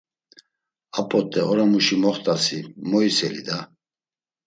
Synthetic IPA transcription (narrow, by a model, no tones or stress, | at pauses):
apʼɔt̪ʼːɛɔɾamuʃimɔχt̪ʼasimɔisɛlid̪a